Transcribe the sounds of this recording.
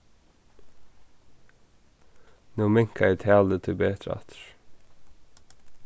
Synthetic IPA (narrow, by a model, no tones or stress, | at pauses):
nuːmɪŋkʰɑiːt̪ʰæːld̪ət̪ʰɪbeːt̪ʰɾɑ̰t̪ɹ